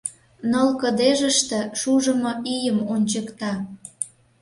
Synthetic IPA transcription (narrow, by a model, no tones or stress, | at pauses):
nəlkə̆d̪eʒəʃt̪ĕʃuʒə̆moijəmonʲt͡ɕəkt̪ɑ